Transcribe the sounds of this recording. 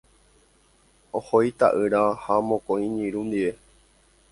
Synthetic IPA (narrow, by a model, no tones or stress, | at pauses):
ohojt̪a̰ʔɨɾahamõkõĩɲĩɾũnd̪iʋe